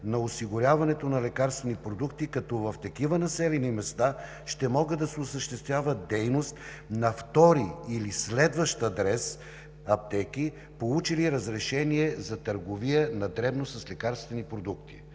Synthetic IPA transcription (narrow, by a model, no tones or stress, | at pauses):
nɐosiɡʊɾʲjavɐnɛt̪onɐlɛkaɾst̪vɛnipɾod̪ukt̪ikɐt̪ɔvɐft̪ɐkivənɐsɛlɛnimɛst̪a | ʃt̪ɛmɔɡəd̪ɐsɛʊsəʃt̪ɛst̪vʲjavɐd̪ɛjnost̪ | nɐft̪ɔɾiilislɛd̪vəʃt̪ɐd̪ɾɛs | ɐp̚t̪ɛkʲi | polˠut͡ʃiliɾɐzɾɛʃɛniɛzɐt̪əɾɡovijənɐd̪ɾɛbnosɐslɛkaɾst̪vɛnipɾod̪ukt̪ḭ